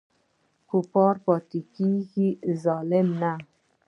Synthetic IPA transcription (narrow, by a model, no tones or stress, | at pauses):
kupɔːɾpɔt̪ikikizɔːlemna